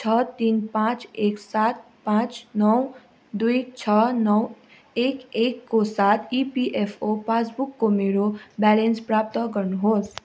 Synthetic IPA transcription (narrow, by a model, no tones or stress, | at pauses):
t͡ʃʰʌt̪inpãt͡seksat̪̚ | pãt͡ʃnʌw | d̪uit͡ʃʰʌnʌw | ekekːosat̪ʰipiʔepʰopasbukːomeɾobɛlenspɾap̚t̪ɔkəɾnuɦos